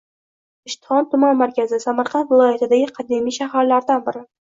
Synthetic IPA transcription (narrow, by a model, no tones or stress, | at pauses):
ɪʃt̪ɪ̥hɒnt̪ʰʊmanmaɾkʲʰazɪsamɑɾqʰɑnt̪vɪlˠɒjat̪ɪd̪aɡʲɪqʰɑd̪ɪmijʃahaɾlaɾd̪anbɪɾɪ